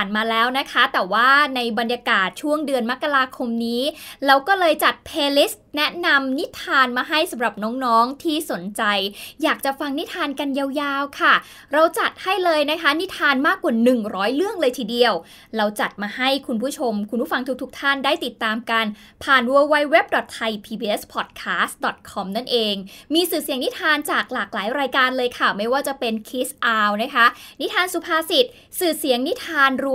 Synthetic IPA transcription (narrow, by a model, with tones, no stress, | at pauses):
nmaː˧lɛː˦˥wna˦˥kʰa˦˥t̪ɛː˨˩waː˥˩na˧jba˧nja˧kaː˨˩t̪̚t͡ɕʰu˥˩əŋdɯ˧ənma˦˥kːa˧ɾaː˧kʰo˧mniː˦˥lɛː˦˥wkɔː˥˩lɤː˧jt͡ɕa˨˩t̪̚pʰeː˧li˦˥s | nɛ˦˥na˧mni˦˥t̪ʰaː˧nmaː˧ɦa˥˩jsa˨˩˦mɾa˨˩p̚nɔː˦˥ŋnɔː˦˥ŋt̪ʰiː˥˩so˨˩˦nt͡ɕa˧jjaː˨˩k̚t͡ɕa˨˩fa˧ŋni˦˥t̪ʰːaː˧nka˧njaː˧wjaː˧wkʰa˥˩ | ɾa˧wt͡ɕa˨˩t̪̚ha˥˩jlɤː˧jna˦˥kʰa˦˥ni˦˥t̪ʰːaː˧nmaː˥˩kːa˨˩nɯ˨˩ŋɾɔː˦˥jlɯ˥˩əŋlɤː˧jt̪ʰiː˨˩di˧əw | ɾa˧wt͡ɕa˨˩t̪̚maː˧ha˥˩jkʰu˧npʰuː˥˩t͡ɕʰo˧mkʰu˧npʰu˥˩fa˧ŋt̪ʰu˦˥t̪ʰu˦˥k̚t̪ʰa˥˩ndaː˥˩jt̪i˨˩t̪ːaː˧mka˧n | pʰaː˨˩nwoː˧wa˧˥jwe˦˥p̚dɔ˨˩t̪ʰːa˧jpʰiː˧biː˧ʔe˦˥spʰɔ˨˩t̪̚kʰaː˦˥st̪̚dɔ˨˩t̪̚kʰɔ˧mna˥˩nʔeː˧ŋmiː˧sɯː˨˩si˩˦ŋni˦˥t̪ʰaː˧nt͡ɕaː˨˩k̚laː˨˩k̚laː˩˦jɾaː˧jkaː˧nlɤː˧jkʰa˥˩ma˥˩jwaː˥˩t͡ɕa˨˩pe˧nkʰiː˦˥sʔaː˧wna˦˥kʰa˦˥ni˦˥t̪ʰaː˧nsu˨˧˩pʰaː˧si˨˩t̪̚ | sɯː˨˩si˨˩˦əŋni˦˥t̪ʰaː˧nɾu˧